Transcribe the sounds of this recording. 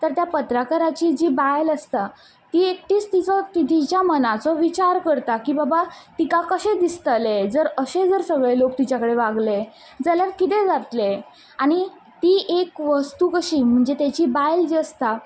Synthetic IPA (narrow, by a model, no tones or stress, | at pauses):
t̪əɾt̪japət̪ɾakʰəɾat͡ɕiːd͡ʑiːbajləst̪a | t̪iːek̚ʈiːt͡st̪it͡sɔt̪it̪ʰit͡ɕjamənat͡sɔʋit͡ɕaɾkəɾt̪akiːbabat̪ikakəɕed̪ist̪əled͡zəɾəsed͡zəɾsəɡɭelokt̪it͡ɕakəɽeʋaɡle | d͡zəlaɾkit̪̬ed͡zat̪le | aɽ̃i | t̪iːʔekʋəst̪ukəɕiːm̤əɳd͡zet̪jat͡ɕiːbajld͡ʑiəst̪a